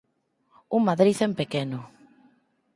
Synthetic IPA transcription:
uŋmaðɾiθempekenʊ

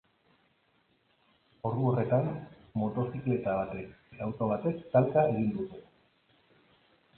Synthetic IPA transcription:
o̞ruo̞re̞t̪an | mo̞t̪o̞sikle̞t̪aβ̞at̪e̞ket̪awt̪o̞β̞at̪e̞st̪alkae̞ɣ̞ind̪ut̪e

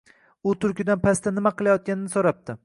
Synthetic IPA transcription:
ʊt̪ʰʊɾkʲɪd̪anpʰast̪anɪmaqɨlˠajɒt̪̚kʲanɪnɪsoɾap̚t̪ʰɪ

